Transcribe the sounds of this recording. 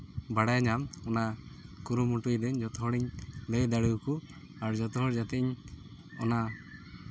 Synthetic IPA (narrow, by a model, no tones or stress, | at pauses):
baɽajɲamɔnakuɾumuʈujd̪ɛɲd͡ʒɔt̪ɔɦɔɽiɲlɛjd̪aɽuwku | aɾd͡ʒɔt̪ɔɦɔɽd͡ʒat̪ɛiɲ | ɔna